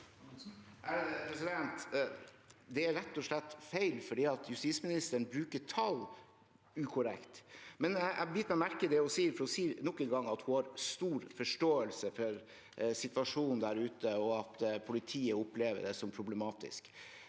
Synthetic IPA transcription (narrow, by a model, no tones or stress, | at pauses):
æpɾɛsɪd̪ɛnt̪ | d̪ɛæɾɾɛt̪ːɔʂlɛt̪ːfæɪlfɔɖiːɑt̪ʰjʉst̪ismɪnɪst̪əɳbɾʉːkəʈʰɑl | ʉːkʰʊɾɛ̰kt̪mɛnæʔæ̰bjɪt̪mɛmæɾkəd̪ɛɔsiːɾfɔɾɔsiːnɔkːənɡɑŋɑt̪hʊhɑɾst̪uːɾfɔʂʈoːəlsəfɔɾ | sɪt̪ʋɑʂuːnnd̪æɾʉːt̪əɔɑt̪pʰʊlɪt̪ʰiːəʊpleːʋə̰ɖɛsɔmpʰɾʊblɛmɑːt̪ɪ̰sk